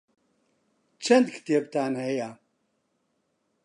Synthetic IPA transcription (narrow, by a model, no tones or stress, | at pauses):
t͡ʃʰɐnd̪kʰt̪ʰeb̚t̪ʰaːnɦeja